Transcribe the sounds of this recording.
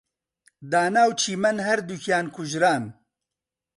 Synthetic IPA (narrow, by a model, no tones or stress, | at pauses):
d̪aːnaːwt͡ʃʰiːmɐnɦɐɾd̪ukʰjaːnkʰʊʒɾaːn